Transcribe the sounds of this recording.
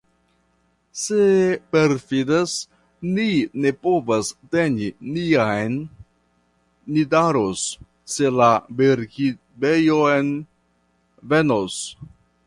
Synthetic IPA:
se̞peɾfidas | nine̞po̞vaste̞niniajn | idaɾosː | e̞labeɾki | bejoen | ve̞nos

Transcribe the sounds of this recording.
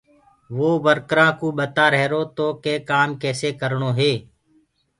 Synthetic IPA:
ʋoːʋəɾkɾãːkũːɓət̪aːɾɛɦɾoːt̪oːkeːkaːmkɛːseːkəɾɳoːɦeː

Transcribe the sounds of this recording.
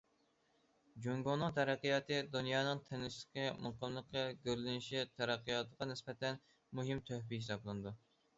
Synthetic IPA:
d͡ʒuŋɡonːɨŋt̪ʰɛɾɛqːijɑːt̪ɨd̪unjɑːnɨŋt̪ʰenɪslɪ̥kʲɪmʊqəmlˠəqːəɡʲøɾlɪnɪʃit̪ʰɛɾæqːijɑt̪ʰəʁɑnɪspɛt̪ɛn | muɦɪmt̪ʰøhpiisɑblˠɨnɨd̪u

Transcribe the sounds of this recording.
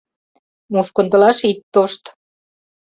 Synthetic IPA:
muʃkŏnt̪ɤ̆lɑʃit̪ːoʃt̪

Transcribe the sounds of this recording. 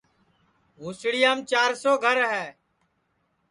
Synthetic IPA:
ɦuːsɽɪjaːmt͡ʃaːɾsoːɡʱəɾɦɛː

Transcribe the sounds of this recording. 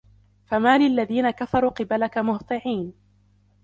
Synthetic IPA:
famaːlɪʔalːaðiːnakafɑɾˤuːqɨbalakamʊht̪ˤɨʕiːn

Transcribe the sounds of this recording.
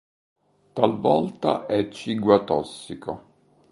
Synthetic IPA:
t̪alvɔlt̪a̰ʔɛt͡ʃːiɡwat̪ɔsːiko

